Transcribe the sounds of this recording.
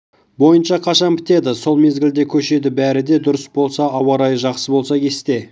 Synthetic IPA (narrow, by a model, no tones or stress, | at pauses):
bo̞jənʃɑqʰɑʃɑnpɪt̪e̞d̪ɪso̞lˠme̞zɡʲɪld̪e̞kʲʰɵʃe̞d̪ɪbæɾɪd̪e̞d̪ʊɾəsbo̞lˠsɑɑwɑɾɑjəʒɑqsəbo̞lˠsɑkʲʰe̞st̪e̞